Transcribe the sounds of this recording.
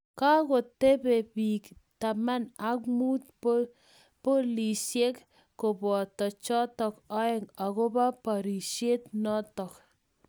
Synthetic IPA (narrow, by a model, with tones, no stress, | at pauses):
ka˦ko˨te˦pe˨piː˨kta˨ma˦na˦kmu˦t̚ | po˦li˨sje˦k | ko˨bɔ˨tɔ˨t͡ʃɔ˦tɔ˨kɔ˦e˦˨ŋa˨ko˦ba˦pa˨ɾi˨ʃje˦t̚nɔ˦tɔ˨k